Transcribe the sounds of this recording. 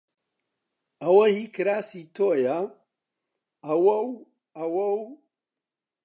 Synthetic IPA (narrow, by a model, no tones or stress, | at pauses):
awahikɨɾasitoja | awow | awow